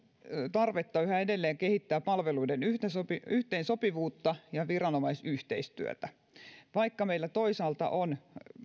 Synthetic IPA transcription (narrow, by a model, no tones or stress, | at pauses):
t̪ɑrʋet̪ːɑyhæedelːeːŋkehit̪ːæːppɑlʋeluidenyht̪esopiyht̪einsopiʋuːt̪ːɑjɑʋirɑnomɑisyht̪eist̪yø̰t̪æ | ʋɑikːɑmeilːæt̪oisɑːlt̪ɑ̰ʔon